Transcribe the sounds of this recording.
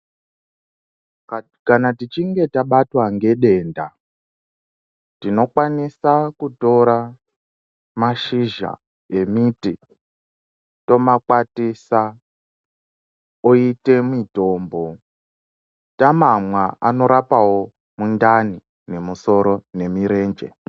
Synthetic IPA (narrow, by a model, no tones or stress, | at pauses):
kanatit͡ʃiŋɡe̞taɓatwaŋɡe̞ɗe̞nda | tino̞kwanisakuto̞ɾa | maʃiʒa̰ | e̞miti | to̞makwatisa | oite̞mito̞ːmbo̞ | tamamwaano̞ɾapawo̞ | mundani | ne̞muso̞ɾo̞ne̞miɾe̞ːnd͡ʒe̞̰